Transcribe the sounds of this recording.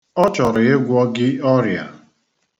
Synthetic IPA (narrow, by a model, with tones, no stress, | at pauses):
ɔ˦t͡ʃɔ˨ɾɪ˨e˦ɡʷɔ˦ɡɪ˦ɔ˦ɾi˨a̰˨